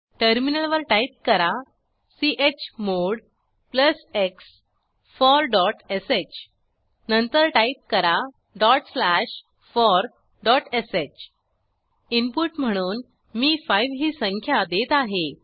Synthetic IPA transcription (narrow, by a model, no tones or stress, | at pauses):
ʈəɾminəlʋəɾʈait̪̚kəɾa | siʔet͡ɕmoɽ | pləseks | fɔɾɖɔʈeset͡ɕ | nənt̪əɾʈait̪̚kəɾa | ɖɔʈslæɕ | fɔɾ | ɖɔʈeset͡ɕ | impuʈm̤əɽ̃uːn | miːfajʋɦiːsəŋkʰjad̪et̪aɦe